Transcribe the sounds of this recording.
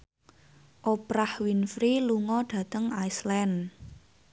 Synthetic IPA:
ʔopɾahwinfɾiluŋɔɖ̥ä̤t̪əŋajslɛn

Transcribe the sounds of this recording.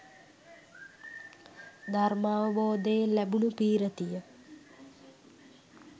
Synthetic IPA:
d̪ʱarmaːʋəboːd̪ejlæbunupiːɾət̪ijə

